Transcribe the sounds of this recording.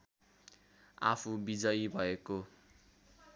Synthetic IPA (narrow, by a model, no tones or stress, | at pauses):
a̰pʰubid͡zʌjbʱʌeko